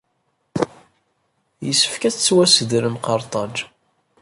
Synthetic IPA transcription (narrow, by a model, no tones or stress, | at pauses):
jəsːə̥fkæt͡st͡sːwæsəðɾəmqɑɾˤt̪ˤɑd͡ʒ